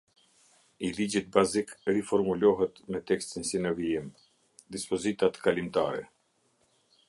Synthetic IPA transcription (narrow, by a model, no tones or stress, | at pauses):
ilid͡ʑit̪̚bazikrifɔɾmulɔɦɛt̪mɛt̪ɛkst̪insinəviim | d̪ispɔzit̪at̪kalimt̪aɾɛ̰